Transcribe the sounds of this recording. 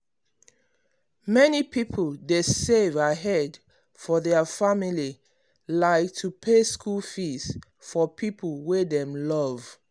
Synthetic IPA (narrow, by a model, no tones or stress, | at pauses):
mɛnipʰipʰəldesevaɦɛd | fɔðɛəfamili | laɪk̚tʰupʰeskulfis | fɔpʰipəlˠwedɛ̃mlʌv̥